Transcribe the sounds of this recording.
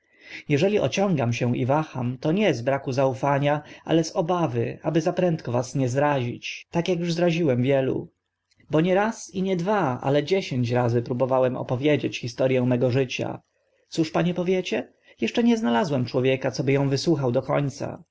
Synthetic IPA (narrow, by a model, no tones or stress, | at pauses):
jɛʐɛlʲiʔɔ̰t͡ɕɔ̃ŋɡamɕɛʔḭvaxamt̪ɔɲɛzbɾakuzaufaɲaʔa̰lɛzɔbavɘabɘzapɾɛnt̪kɔvasɲɛzɾaʑḭt͡ɕt̪akjakjuʐzɾaʑiwɛmvʲjɛlṵ | bɔɲɛɾasiɲɛd̪vaa̰lɛd͡ʑeɕeɲt͡ɕɾazɘpɾubɔvawɛmɔ̰pɔvʲjed͡ʑet͡ɕxist̪ɔɾjɛ̃w̃mɛɡɔʐɘt͡ɕa̰ | t̪suʂpaɲɛpɔvʲjɛt͡ɕɛ | jɛʂt͡ʂɛɲɛznalazwɛmt͡ʂwɔvʲjɛkat̪sɔbɘjɔ̃w̃vɘswuxawd̪ɔkɔɲt̪sa̰